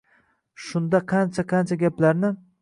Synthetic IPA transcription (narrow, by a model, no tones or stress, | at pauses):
ʃʊnd̪aqʰɑnt͡ʃʰaqʰɑnt͡ʃʰaɡʲaplaɾnɪ